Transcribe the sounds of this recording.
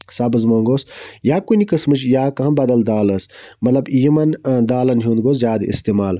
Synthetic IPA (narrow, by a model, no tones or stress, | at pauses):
sabɨzmõːŋɡoːsjaːkunikɐsmɨt͡ʃjaːkɐɦɐ̃nbɐd̪ɐld̪aːlɐsmɐt̪lɐbijimɐnd̪aːlɐnɦjũːnd̪ɡoːzjaːd̪ḭst̪eːmaːl